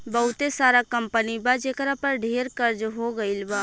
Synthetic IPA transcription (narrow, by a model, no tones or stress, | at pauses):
bəɦut̪esaɾakəmpənibad͡ʒekɾapəɾɖʱeɾkəɾd͡ʒɦoɡəɪlba